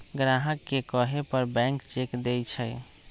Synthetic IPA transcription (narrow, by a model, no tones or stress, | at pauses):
ɡɾaɦəkːekəɦepəɾbɛ̃ŋkt͡ʃekd̪ejt͡ʃʰə